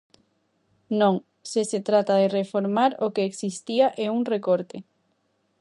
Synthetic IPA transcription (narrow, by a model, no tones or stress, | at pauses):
nõŋ | seset̪ɾat̪aðerefoɾmaɾokeːksist̪iaʔeuŋrekoɾt̪e